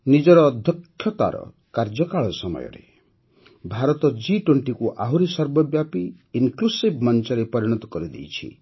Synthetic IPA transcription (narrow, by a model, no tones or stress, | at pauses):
nid͡ʒɔɾɔːd̪ʱjɔkʰːjɔt̪a̰ɾɔ̰ | kaɾd͡ʒɔkaɭɔsɔmɔ̰jɔ̰ɾḛ | bʱaɾɔt̪ɔd͡ʒiʈweɳʈikuʔaɦuɾisɔɾbɔbjapiː | nklusibʱmɔnt͡ʃɔɾepɔɾiɽ̃ɔt̪ɔkɔɾid̪ḭjt͡ʃʰḭ